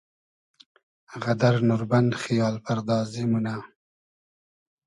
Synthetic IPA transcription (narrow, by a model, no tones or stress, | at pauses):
ɣad̪aɾnʊɾband̪χijɑːlpaɾd̪ɑːzimuna